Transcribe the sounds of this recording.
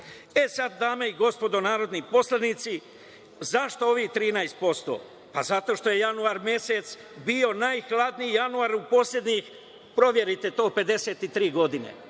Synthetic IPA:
e̞sad̪ːaːme̞iɡo̞spo̞d̪o̞naːɾo̞d̪nipo̞slˠad̪nit̪si | zaʃt̪o̞o̞ʋixt̪ɾiːnajst̪̚po̞st̪o̞̰ː | pazat̪o̞ʃt̪o̞je̞januaɾmje̞set̪s | bio̞naːjxlˠad̪nijijanuaɾupo̞ːslʎʲe̞d̪ɲix | pɾo̞ʋje̞ɾit̪e̞t̪o̞ːpe̞d̪e̞se̞ːt̪it̪ɾiːɡo̞d̪ine̞̰

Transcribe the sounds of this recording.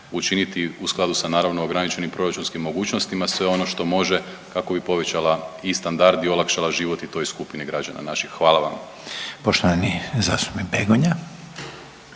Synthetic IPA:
ut͡ʃinit̪iusklˠad̪usanaːɾaʋno̞oɡɾanit͡ʃe̞nimpɾo̞ɾat͡ʃunskimːo̞ɡuːt͡ʃnost̪imasʋe̞o̞no̞ʃt̪o̞mo̞ʒe̞ | kako̞bipo̞ʋe̞t͡ɕalˠaist̪and̪aɾd̪io̞lˠakʃalˠaʒiːʋo̞t̪it̪o̞jskupiniɡɾad͡ʒa̰na̰naʃixːʋaːlˠaʋam | poʃt̪oʋanizaːsomibeɡoɲa

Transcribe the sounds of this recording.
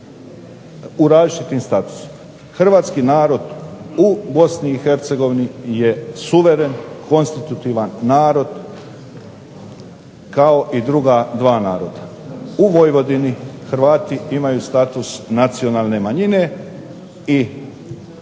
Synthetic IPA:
uɾaːzit͡ʃit̪iːmst̪at̪u̥si̥ma | xr̩ʋaːt̪skiːnaːɾo̞d̪ubo̞sniːxe̞ɾt̪se̞ɡo̞ʋinijesuʋe̞ɾenkʰo̞nst̪it̪ut̪iːʋanːaːɾo̞d̪ | kao̞ʔid̪ɾuɡad̪ʋaːnaːɾo̞d̪auʋojʋo̞d̪inixɾʋaːt̪iimajuːst̪at̪usnat̪sio̞naːlˠne̞maɲine̞ | i

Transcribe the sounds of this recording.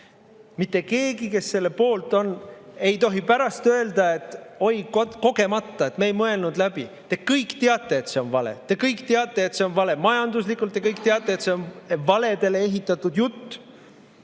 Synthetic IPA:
mit̪ːe̞ke̞ːɡike̞sːe̞lːe̞po̞ːlt̪ˑo̞ne̞jt̪o̞ɦipæɾɑst̪øeld̪̥ɑe̞t̪ːˑo̞jkoko̞ɡe̞mɑt̪ːˑɑe̞t̪mejmɤe̞lnud̪læb̥i | t̪ekɤjkˑt̪eɑt̪ːˑe̞ːt̪se̞o̞nvɑlḛt̪e̞kɤjkt̪eɑt̪ːˑe̞ːt̪se̞onvɑle̞mɑjɑnd̪uslikːˑult̪ːekɤjk̚t̪eɑt̪ːˑe̞ːt̪se̞o̞nvɑle̞d̪̥e̞le̞e̞ɦit̪ːˑɑt̪ːˑud̪jut̪ː

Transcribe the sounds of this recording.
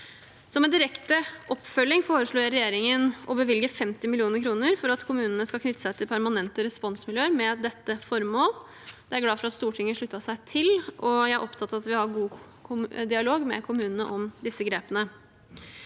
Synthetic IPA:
sɔmɛnd̪ɪɾɛkt̪əʔɔpːfœlːɪŋfoːɾəʂɭuːjæɾɛjeːɾɪŋənʔɔbəʋɪlɡəfɛmt̪ɪmɪlɪuːnəɾkʰɾuːnəɾfɔɾɑt̪kʰʊmʉːnənəskɑlkʰnʏt̪ːə̥sæɪt̪ʰɪlpʰæɾmɑnɛnt̪əɾɛspɔnsmɪljøːəɾmɛd̪ɛt̪ːəfɔɾmoːl | d̪ɛæɾɡlɑːfɔɾɑt̪st̪uːʈʰɪŋːəʂɭʉt̪ːɑsæɪt̪ʰɪlʔɔjæɪæɾʔɔpt̪ʰɑt̪ːɑɑt̪ʋɪhɑɾɡuː | d̪ɪɑloːɡmɛ̰kʰʊmʉːnənəʔɔmd̪ɪsːəɡɾeːpənə

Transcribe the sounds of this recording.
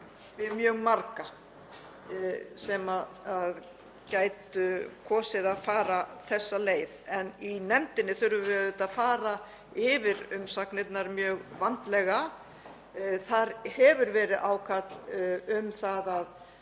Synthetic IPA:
vɪðmjœːɣmaɾka | sɛmaað | caːjt̪ʏkʰɔːsɪðaðfaːɾaθɛsːaleːjðɛninɛmt̪ɪnːɪθʏɾvʏvɪðɪt̪aðfaːɾa | ɪvɪɾʏmsaknɪt̪naɾmjœːɣvant̪lɛɣa | θaɾhɛvʏɾvɛːɾɪʔaːwkʰat̪lʏmθaðað

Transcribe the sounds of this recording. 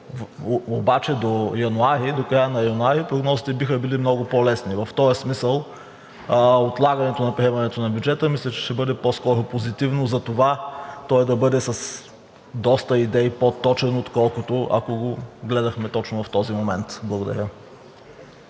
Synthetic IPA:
vːbat͡ʃɛd̪ojɐnuaɾid̪okɾajənɐjɐnuaɾipɾoɡnɔzit̪ɛbixəbilimnɔɡʊpolɛsnivɐft̪ɔjəsmisəlˠ | ot̪lˠaɡɐnɛt̪onɐpɾiɛmɐnɛt̪onɐbjud͡ʒɛt̪əmislʲɛt͡ʃɛ̥ʃt̪ɛbɤd̪ɛpɔskɔɾʊpozit̪ivnozɐt̪ovat̪ɔɛd̪ɐbɤd̪ɛsɐs | d̪ɔst̪əid̪ɛipot̪ːɔt͡ʃɛnoot̪kɔlˠkʊt̪oʔɐ̰koɡoɡlɛd̪ɐxmɛt̪ɔt͡ʃnʊvɐft̪ɔzimomɛnt̪blˠɐɡʊd̪ɐ̰ɾʲə

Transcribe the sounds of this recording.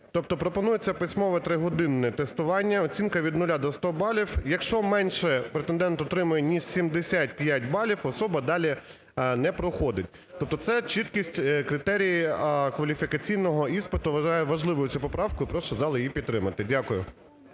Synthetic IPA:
t̪ɔp̚t̪ɔpɾɔpɔnujet͡sʲːɐpɪsʲmɔʋɐt̪ɾɪɦɔd̪ɪnːɛt̪est̪ʊʋɑnʲːɐɔt͡sʲinkɐʋʲid̪nʊlʲad̪ɔst̪ɔbɑlʲiwjɐkʃt͡ʃɔmɛnʃɛpɾet̪end̪ɛnt̪ɔt̪ɾɪmʊjɛnʲiʃsʲimd̪esʲat̚ʲpjatʲbɑlʲiwɔsɔbɐd̪ɑlʲi | nɛpɾɔxɔd̪ɪtʲ | t̪ɔp̚t̪ɔt̪sɛt͡ʃit̪kʲisʲtʲkɾɪt̪ɛɾʲijikʋɐlʲifʲikɐt͡sʲijnɔɦɔispɪt̪ʊʋɐʒɑjɛʋɐʒlˠɪʋɔjʊt͡sʲupɔpɾɑwkʊipɾɔʃt͡ʃɔzɑlˠɪjijipʲit̪t̪ːɾɪmɐt̪ɪdʲakʊjʊ̰

